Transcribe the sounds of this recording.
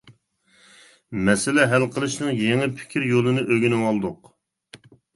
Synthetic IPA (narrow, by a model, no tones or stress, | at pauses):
mɛsɪlɛɦælqʰəlˠɨʃnɨŋjeŋɪpʰɪ̥kʲʰiɾjolˠɨnɨʔøɡʲynɪwɑlˠd̪ʊq